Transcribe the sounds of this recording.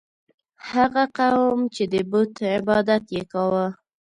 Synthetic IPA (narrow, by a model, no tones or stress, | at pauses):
haɣaqawmt͡ʃed̪əbut̪ɪbɑd̪at̪jekɑwə